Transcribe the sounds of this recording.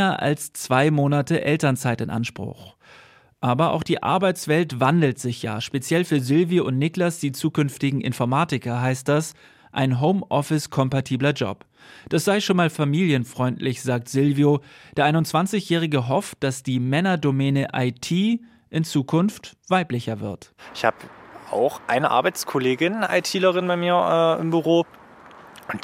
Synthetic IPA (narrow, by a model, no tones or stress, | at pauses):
ɐʔa̰lst͡sv̥aɪmoːnatəʔɛltɐnt͡saɪtɪnʔa̰nʃpʁ̥ʊ̰x | ʔaːbɐʔa̰ʊxd̥iːʔa̰ɐbaɪt͡sv̥ɛltv̥andl̩tz̥ɪçja̰ːʃpet͡sjɛlfyːɐzɪlvijoʊntnɪklasd̥iːt͡suːkʏnftɪɡŋ̩ʔɪ̰nfɔɐmaːtɪkɐɦaɪst̚d̥as | ʔa̰ɪnɦoʊmʔɔfɪskʰɔmpatʰiːblɐd͡ʒɔ̰p | d̥asz̥aɪʃoːnmaːlfamiːljənfʁ̥ɔʏntlɪçz̥aːk̚tz̥ɪlvjod̥eːɐʔaɪnʊntt͡sv̥ant͡sɪçjɛːʁ̞ɪɡəɦɔft̚d̥asd̥iːmɛnɐdomɛːnəʔaɪtʰiː | ʔɪnt͡suːkʰʊnftv̥aɪplɪçɐvɪ̰ɐtɪçhaːbəa̰ʊxʔaɪnəʔa̰ɐbaɪt͡skʰɔleːɡɪnʔa̰ɪtʰiːləʁɪnbaɪmiːɐɛːɪ̰mbyʁoː | ʊnt